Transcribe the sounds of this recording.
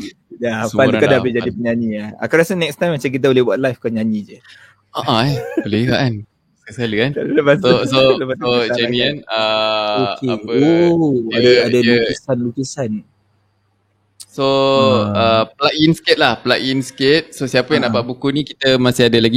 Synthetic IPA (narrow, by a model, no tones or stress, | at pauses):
jaspalukadabɪd͡ʒadipəɲaɲiaa̰kaɾasənɛkst̪aj̃mːat͡ʃamk̬it̪̬əbolɪbuat̪̚lajfkɔɲãɲid͡ʒə | aʔabolekaʔan | skəsaləanaləbasooləpasoad͡ʒamianəokeaoaaadakisanlukisan | so | əpəlaʔinskɪt̪̚lahpəlaʔinsket̪̚sosiapəjãŋnaʔpaʔbukunikit̪əmasɪadəlaɡi